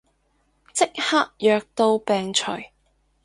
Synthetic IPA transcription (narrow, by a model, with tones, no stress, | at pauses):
t͡sɪ˥k̚haː˥k̚jœː˨˧k̚t̪o˧wpɛː˨ŋt͡ʃʰɵ̰˨˩ɥ